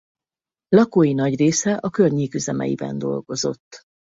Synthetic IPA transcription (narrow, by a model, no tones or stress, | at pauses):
lɒkoːjinɒɟreːsɛʔɒkørɲiːkyzɛmɛ̰jḭbɛ̰nd̪o̞̰lɡo̞zo̞t̪ː